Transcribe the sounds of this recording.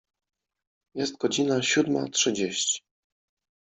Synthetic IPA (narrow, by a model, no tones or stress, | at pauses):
jɛst̪̚ɡɔd͡ʑinaɕud̪ma̰tʂɘd͡ʑeɕt͡ɕi̥